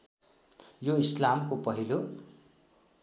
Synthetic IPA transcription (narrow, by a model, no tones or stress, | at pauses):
joislamkopʌɦilo